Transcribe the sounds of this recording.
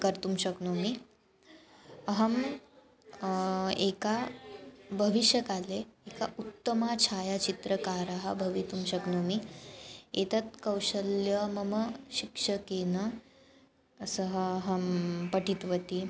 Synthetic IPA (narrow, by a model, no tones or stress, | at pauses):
kɐɾt̪umɕɐknomi | ɐɦɐm | eka | bʱəʋiɕjəkaleekaʔut̪ːəmat͡ɕʰaːjat͡ɕit̪ɾəkaːɾaɦɐbʱɐʋit̪umɕɐknomi | et̪ɐt̪̚kəwɕəljəmɐməɕikʂəkeːnə | səɦəɦɐmpɐʈʰit̪ʋət̪i